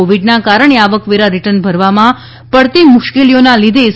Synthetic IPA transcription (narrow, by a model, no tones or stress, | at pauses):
oʋiɖnakaɾəɳ̃eaʋəkʋeɾaɾiʈənbʱəɾʋamã | pəɽt̪imʊʃkelijonalid̪ʱe